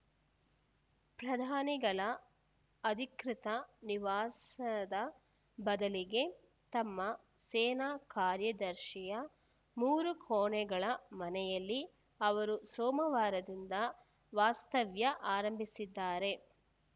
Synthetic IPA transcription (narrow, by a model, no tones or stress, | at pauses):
pɾɐd̪ʱaːniɡɐɭɐ | ɐd̪ʱikɾit̪ɐniʋaːsɐd̪ɐ | bɐd̪ɐliɡe̞ | t̪ɐmːɐ | sɛːnaːkaːɾjɐd̪ɐɾʃijɐ | muːɾukʰoːɳɛɡɐɭɐmɐnɛjɐlːi | ɐʋɐɾusɔːmɐʋaːɾɐd̪ind̪ɐ | ʋaːst̪ɐʋjɐʔaːɾɐmbʱisid̪ːaːɾe̞